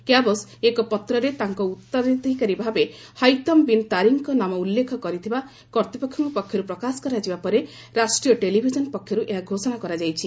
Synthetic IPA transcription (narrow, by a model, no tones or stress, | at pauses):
kjabɔsekɔpɔt̪ɾɔɾet̪aŋkɔut̪ːɔɾid̪ʱikaɾibʱabe | hajt̪ɔmbint̪aɾiŋkɔnamɔulːekʰɔkɔɾit̪ʰiba | kɔɾt̪ipɔkʰːɔŋkɔpɔkʰjɔɾupɾɔkasɔ̥kɔɾad͡ʒibapɔɾe | ɾasʈɾijɔʈelibʱid͡ʒɔnpɔkʰːjɔɾuʔeɦaɡʱosɔnakɔɾad͡ʒajt͡ʃʰi